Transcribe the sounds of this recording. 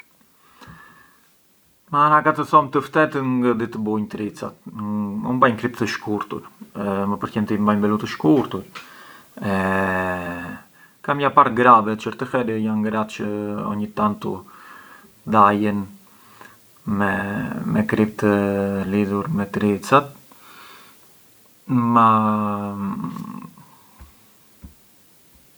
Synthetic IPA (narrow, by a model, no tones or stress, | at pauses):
maanakat̪əθɔmt̪əft̪ɛt̪ənŋɡəd̪it̪əbujnt̪ɾit͡sa̰t̪unbajnkɾip̚t̪əʃkuɾt̪ṵɾməpəɾkɛnt̪imbajbɛlut̪əʃkuɾt̪uɾ | ɛ | kamjapaɾɡɾavɛt͡ʃəɾt̪əfɛɾəjanɡɾat̪t͡ʃəɔ̰ɲit̪ant̪u | d̪ajən | mɛmɛkɾip̚t̪əliðuɾmɛt̪ɾit͡sat̪̚ | ma